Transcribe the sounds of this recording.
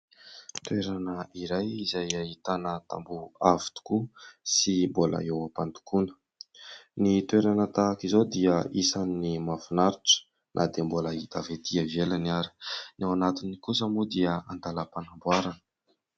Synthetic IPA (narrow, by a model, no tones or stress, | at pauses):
t̪weɾanəiɾajizajait̪anət̪a̰mbuavi̥t̪u̥kusimbolə̰ewapant̪u̥kunə̥ | nit̪weɾanət̪aːkizod̪iəisaninimafunaɾuʈ͡ʂə̥ | nʔa̰d̪embolait̪avet̪iəvelaniaɾi̥nawanat̪inikusəmud̪iəand̪alapanambwaɾanə̥